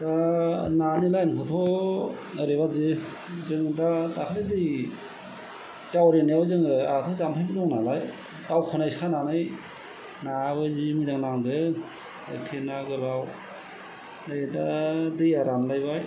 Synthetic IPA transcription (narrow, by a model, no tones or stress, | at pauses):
dananilajnkʰɔt̪ʰɔ | ɯɾeβazɯ | zɯŋdadakʰaledɯj | zawɾenijawzɯŋɯatʰɔzampʰajbidɔŋnalaj | dawkʰɔnajskʰananɯj | nabɯzimizaŋnaŋdɯ | ɯ̰kʰenaɡɯlaw | najdadɯjaɾamlajbaj